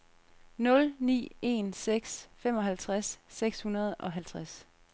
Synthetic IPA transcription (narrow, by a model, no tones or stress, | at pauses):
nɔ̽lnḭːe̝̰nseɡ̥sfem̰ɒ̽ɦælt͡sʰʁasːeɡ̥shunɐð̞ˠɒ̽ɦælt͡sʰʁas